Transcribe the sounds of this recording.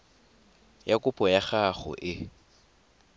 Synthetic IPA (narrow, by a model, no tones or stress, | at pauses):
jakʼʊpʼɔjaχaχʊ̰ʔɪ